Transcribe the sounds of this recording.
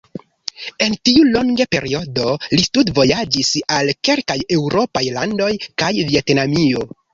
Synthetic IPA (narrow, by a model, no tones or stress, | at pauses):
e̞ntiulo̞ŋɡepe̞̰ɾio̞do̞listudvo̞jad͡ʒisalke̞lkaje̞wɾo̞pajlando̞jkajvie̞tnamio̞